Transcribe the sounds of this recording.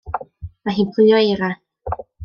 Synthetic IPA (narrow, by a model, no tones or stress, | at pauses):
maɦiːnpʰl̥ɨɔeɾa